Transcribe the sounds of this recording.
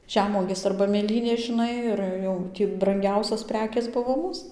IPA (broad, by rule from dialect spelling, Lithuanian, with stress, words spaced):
ˈʒʲæːmuɔɡʲeːs ɐrbɐ mʲeːˈlʲiːnʲeːs ʒʲɪˈnɐɪ ɪr ˈjɛʊ ˈtʲiː brɐŋʲˈɡʲɛʊsʲoːs ˈpʲrʲæːkʲeːs ˈbʊʋoː ˈmuːs